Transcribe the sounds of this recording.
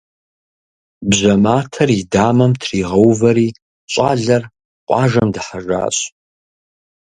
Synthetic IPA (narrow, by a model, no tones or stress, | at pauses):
bʑɐmaːtʰɐridaːmɐmtʰriːʁɐwvɐɾiː | ɕʼaːɮɐr | qʷʼɑːʒɐmdɨħaʒa̰ːɕʼ